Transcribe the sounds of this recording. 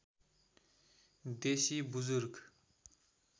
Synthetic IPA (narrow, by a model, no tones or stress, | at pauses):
d̪eɕibuzorək